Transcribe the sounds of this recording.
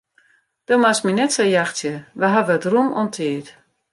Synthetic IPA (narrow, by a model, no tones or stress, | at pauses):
d̥omasminɛtsajaxtjəʋəɦavəətrumɔntʰɪət